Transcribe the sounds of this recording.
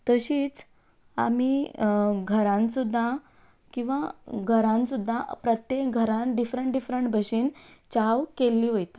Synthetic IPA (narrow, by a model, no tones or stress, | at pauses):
t̪əɕiːt͡s | a̰miːɡʱəɾãnsud̪ʱːa | kĩw̃ʋaɡʱəɾãnsud̪ʱːapɾət̪jek̚ɡʱəɾãnɖifɾəɳʈɖifɾəɳʈbʱəɕiːnt͡ɕawkelːiːɦojt̪a